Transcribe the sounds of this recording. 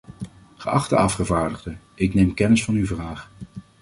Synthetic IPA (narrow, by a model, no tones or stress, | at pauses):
χəʔɑχtə̰ɑfχəvaːɹdəʁdə | ɪknejmkɛnɪsfɑnyvraːχ